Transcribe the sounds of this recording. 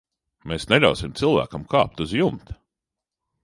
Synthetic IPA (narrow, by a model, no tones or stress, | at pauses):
meːsnɛlʲa̰wsimt̪silˠvæ̰ːkɐmka̰ːp̚t̪uzjumt̪